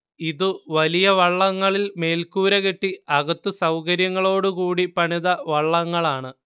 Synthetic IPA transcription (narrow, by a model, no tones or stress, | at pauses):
iðuʋɐlijɐʋɐɭːɐŋːɐɭilme̞ːlkuːɾɐɣeʈːiɐɣɐt̪ːusɐwkɐɾjɐŋːɐɭo̞ːɽukuːɽipɐɳiðɐʋɐɭːɐŋːɐɭaːɳɨ